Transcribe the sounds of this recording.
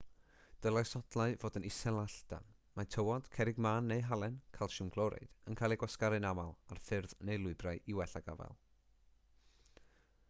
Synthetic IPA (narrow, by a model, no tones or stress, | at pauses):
d̥əlˠasɔd̥lˠaɨvoːdənɪsɛlˠaɬd̥a̰nmatʰəwɔd̥kʰɛɾɪɡmaːnːejɦalˠɛnkʰalˠʃʊnɡlˠɔɾɛ̰d̥ənkʰaːlˠiɡwaskaɾɨnamalˠarfɪrðnejlˠʊɨbrajʔiwɛɬaɡa̰vɛ̰lˠ